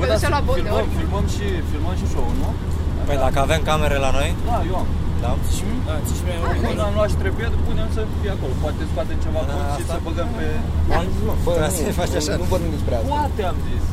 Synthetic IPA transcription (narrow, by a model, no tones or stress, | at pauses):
vəd̪aʃalaofilməmfilməmʃi | filməmʃiʃouno | pəjd̪akəavemkameɾelano̞jd̪ajewamd̪ami | ət͡ʃiʃeunamluaʃt̪ɾebujed̪puneamsəfijeako̞lopoat̪espat̪emt͡ʃevaaʃisəbəɡəmpe | amzilmafəas | fat͡ʃaʃanupot̪emit͡ʃpɾealpuat̪eamzisʲ